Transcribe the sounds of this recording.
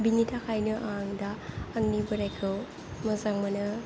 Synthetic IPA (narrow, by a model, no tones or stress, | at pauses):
binitʰakʰajnɯʔaŋdaːŋnibɯɾajkʰɯw | mɯzaŋmɐnɯ